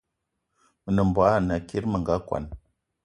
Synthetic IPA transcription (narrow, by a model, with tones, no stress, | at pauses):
mə˨nə˨mbwa˨˦˨na˨ki˦ɾmə˨ŋɡa˨˦kʷa̰˨n